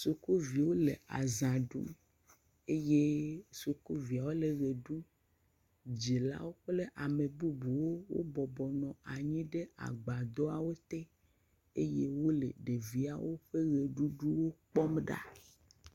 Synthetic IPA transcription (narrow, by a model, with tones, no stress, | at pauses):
su˨ku˦vi˨wo˦le˨a̰˨zã˨ɖṵ˦m | e˦je˦su˨ko˦vi˨a˨wo˦le˨ɣe˨ɖu˦ | d͡ʑi˨la̰˦wo˦k͡ple˦ʔa˨me˨bu˦bu˨wo˦wo̰˦bɔ˨bɔ˨nɔ̃˨a˨ɲĩ˦ɖe˦a̰˨ɡ͡ba˨d̪ɔ˦a˨wo˦t̪e˦ | e˦je˦wo˦lḛ˨ɖe˨vi˨a˨wo˦ɸe˦ɣe˨ɖu˦ɖu˦wo˦k͡pɔ˦mɖa̰˦